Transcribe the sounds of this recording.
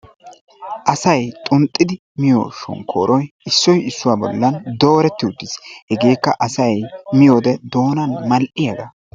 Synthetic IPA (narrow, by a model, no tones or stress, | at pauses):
ʔɐsɐjt̪ʼʊnt̪ʼːɪd̪ɪ | mɪjo̰ːʃɔ̰ŋkʰo̰ːɾʔɔjɪsːɔjɪsːʊwaːbɔ̰lːɐnd̪o̞ːɾɛt̪ːɪʊd̪ːɪshɛɡe̞ːkːɐʔɐsɐjmɪjoːd̪ɛd̪o̞ːnɐnmɐlʔɪjɐd̪ɐ